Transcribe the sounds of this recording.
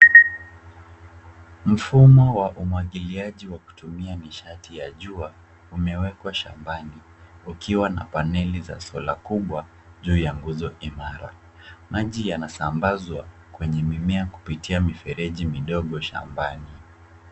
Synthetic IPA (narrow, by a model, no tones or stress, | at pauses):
m̩fumɔwaʔumwaɠiliaʄiwaku̥tumianiʃatijaʄua | umɛwɛkwaʃa̰mbani | ukiwana̰panɛliza̰sɔlakuɓwa | ʄuːjaŋɡuzɔʔimaɾa̰ | maʄijanasambazwa | kwɛɲɛmimɛaku̥pitiamifɛɾɛʄimiɗɔɠɔʃa̰mbani